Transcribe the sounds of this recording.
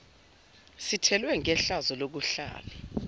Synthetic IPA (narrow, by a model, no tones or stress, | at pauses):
sitʰɛlwɛŋɛɬazɔlok̬uɬa̰ːlɛ